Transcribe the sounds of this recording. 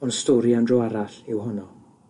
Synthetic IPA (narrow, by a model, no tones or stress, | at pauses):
ɔnstoːɾiandroaɾaɬɪwɦʊnɔ